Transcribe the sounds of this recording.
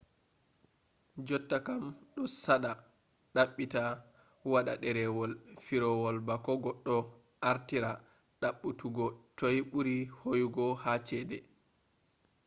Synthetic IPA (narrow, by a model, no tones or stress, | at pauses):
d͡ʒɔtːakamɗɔsaɗa | ɗaɓːita | waɗa̰ɗɛɾɛwɔlfiɾɔwɔlbakɔɡɔɗːɔ | ʔaɾtiɾa | ɗaɓːutuɡɔtojɓuɾihojuɡɔhat͡ʃɛdɛ